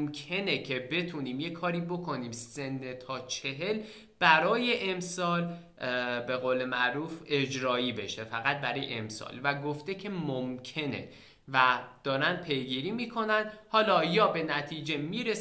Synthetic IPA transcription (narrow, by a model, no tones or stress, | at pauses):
mcʰe̞ne̞cʰe̞be̞t̪ʰuːniːmjekʰɒːɾiːbo̞kʰo̞niːmse̞nːet̪ʰɒːt͡ʃʰe̞ɦe̞l | b̥æɾɒːje̞ʔemsɒːl | be̞ɣoːle̞mæʔɾuːfe̞d͡ʒɾɒːiːbe̞ʃe̞fæɣæt̪̚bæɾɒːjḛʔemsɒ̰ːlvæɡoft̪e̞cʰe̞momcʰe̞nḛ | væd̪̥ɒːɾænd̪̚pʰe̞jɡiːɾiːmiːkʰo̞nænd̪hɒːlɒːjɒːbe̞næt̪ʰiːd͡ʒe̞miːɾe